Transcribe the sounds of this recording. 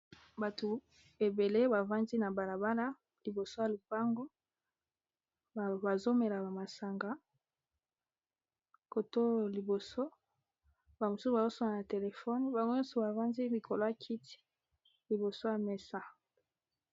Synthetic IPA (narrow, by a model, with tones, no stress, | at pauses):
ba˨to˨ | e˨be˨le˦ba˨va˦ndi˦na˨ba˨la˨ba˦la˦ | li˨bo˨so˦ja˨lu˨pa˦ŋɡo˦˨ | ba˨zo˦me˨la˨ba˨ma˨sa˨ŋɡa˦ | ko˨to˦li˨bo˨so˦ | ba˨mo˨su˦sba˨zo˦so˦ŋa˨na˨te˨le˨fɔ˦ni˦ba˨ŋɡo˦ɲɔ˦so˨ba˨va˦ndi˦mi˨kʰo˨lo˦ja˨kʰi˦ti̥˦ | li˨bo˨so˦ja˨me˨sa˦